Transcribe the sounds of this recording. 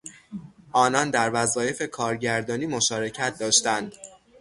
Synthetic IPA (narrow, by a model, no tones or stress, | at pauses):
ʔɒːnɒnd̪æɾvæzɒːje̞fe̞kʰɒːɾɟæɾd̪ɒːniːmo̞ʃɒːɾe̞cʰæt̪̚ʰd̪ɒːʃt̪ænd̪̥